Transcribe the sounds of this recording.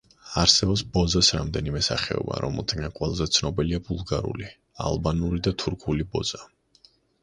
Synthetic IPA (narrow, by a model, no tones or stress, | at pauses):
aɾsɛbɔpsbɔzasɾamd̪ɛnimɛsaχɛɔ̰ba̰ɾɔmɛlˠt̪ʰaɡaqʼwɛlˠzɛt̪sʰnɔbiliabulˠɡaɾṵli | a̰lˠbanuɾid̪at̪ʰuɾkʰulibɔ̰z̥a